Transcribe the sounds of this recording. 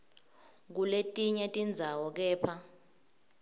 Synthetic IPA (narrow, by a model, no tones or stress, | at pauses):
k̬uletʼiɲɛtʼind͡zʱawɔk̬ɛːpʰa